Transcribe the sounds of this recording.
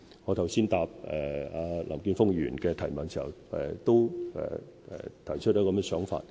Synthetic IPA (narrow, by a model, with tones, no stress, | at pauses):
ŋɔː˨˧t̪ʰɐ˨˩wsiː˥nt̪aː˧p̚ɛ˨aː˨˧la̰˨˩mkyː˧nfʊ˥ŋjyː˨˩nkɛː˧t̪ʰɐ˨˩jmɐ˨˥nsʰiː˨˩hɐ̰˨˩wɛ˨˧t̪o˥wɛ̰˨ | ɛ̰˨t̪ʰɐ˨˩jt͡ʃʰɵ˥t̚t͡ʃɔ˨˧˥kɔ˨˧mɛ˧sœː˨˥ŋfa̰ː˧t̚